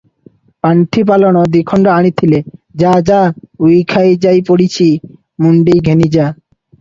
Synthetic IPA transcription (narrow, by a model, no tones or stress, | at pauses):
paɳʈʰip̬alonod̪ikʰɔɳɖoaɽ̃it̪ʰiled͡ʑad͡ʑaujkʰajd͡ʑajpoɽit͡ɕʰi | muɳɖiɡʱenid͡ʑa